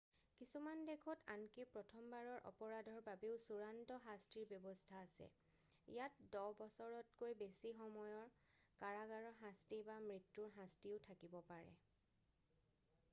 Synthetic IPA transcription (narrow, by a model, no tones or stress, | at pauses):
kisumandekʰɔtankipɹɔtʰɔmbaɹɔɹʔɔ̰pɔɹadʱɔɹbabeʊsuɹantɔɦastiɹbjɔbɔstʰaːsɛ̰ | ḭjatdɔbɔsɔɹɔt̚kojbesixɔmɔjɔɹ | kaɹaɡaɹɔɹɦãstibamɹitːuɹɦãstiʊtʰakibɔpaɹɛ̰